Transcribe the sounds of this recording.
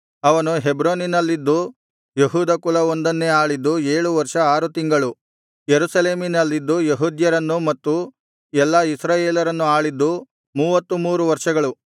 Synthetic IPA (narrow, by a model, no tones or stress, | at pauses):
ɐʋɐnuɦebɾoːninɐlːid̪ːu | jeɦuːd̪ɐkulɐond̪ɐnːeaːɭid̪ːue̞ːɭuʋɐɾʂɐaːɾut̪iŋɡɐɭu | jeɾusɐle̞ːminɐlːid̪ːujeɦuːd̪jɐɾɐnːumɐt̪ːu | ɛlːɐisɾaːjeːlɐɾɐnːuaːɭid̪ːu | muːʋɐt̪ːumuːɾuʋɐɾʂɐɡɐɭu